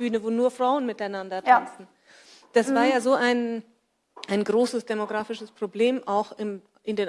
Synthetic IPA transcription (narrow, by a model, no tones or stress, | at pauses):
yːnəvoːnuːɐfʁ̥aʊənmɪtaɪnandɐtʰanstn̩ | d̥asv̥aːɐjaːzoːʔaɪn | ʔaɪnɡʁoːsəsd̥emoɡʁaːfɪʃəspʁ̥obleːmʔaʊxɪm | ʔɪndeːn